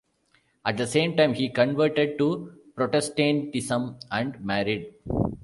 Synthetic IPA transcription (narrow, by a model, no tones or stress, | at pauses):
æʈ̚d̪əsẽːmʈãɪ̃mhiːkə̃ɳʋəɾʈeɖ̚ʈupɾoːʈesʈẽːnʈ̪isə̃mæ̃ɳɖmæɾɪɖ